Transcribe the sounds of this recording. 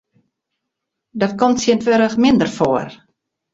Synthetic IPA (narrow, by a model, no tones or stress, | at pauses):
dɔtkɔmtsjəntʋøɾəxmɪndərfoər